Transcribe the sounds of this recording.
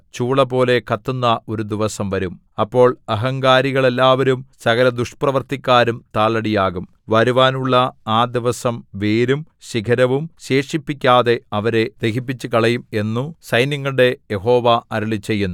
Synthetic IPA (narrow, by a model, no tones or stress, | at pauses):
t͡ɕuːɭɐpo̞ːle̞kɐt̪ːunːɐʔo̞ɾud̪iʋɐsɐmʋɐɾum | ɐpːo̞ːɭɐɦɐŋɡaːɾiɣɐɭe̞lːaːʋɐɾumsɐɣɐɾɐd̪uʂprɐʋɐrt̪ikʲːaːɾumt̪aːɭɐɽijaːɣum | ʋɐɾuʋaːnuɭːɐaːd̪iʋɐsɐmʋeːɾum | ɕikʰɐɾɐʋumɕe̞ːʂipːikʲːaːðe̞ɐʋɐɾe̞d̪̥eɦip̬ːit͡ɕːukɐɭɐjume̞nːusɐjnjɐŋːɐɭɨɽe̞jeɦo̞ːʋaɐɾɐɭit͡ɕːe̞jːunːu